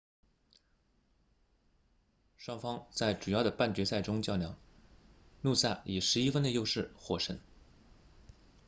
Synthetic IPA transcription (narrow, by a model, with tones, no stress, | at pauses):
ʂwɑ˥ŋfɑ˥ŋt͡sa˥˩ɪʈ͡ʂu˨˩jɑ˥˩ʊd̪ə˩pa˥˩nt͡ɕɥɛ˧˥sa˥˩ɪʈ͡ʂʊ˥ŋt͡ɕjɑ˥˩ʊljɑ̰˨˩˦ŋ | nu˥˧sa˥˩i˨˩ʂɻ̩˧˥i˥fə˥nd̪ə˨˧jo˥˧ʊʂɻ̩˥˩xwɔ˥˩ʂə̰˧˥n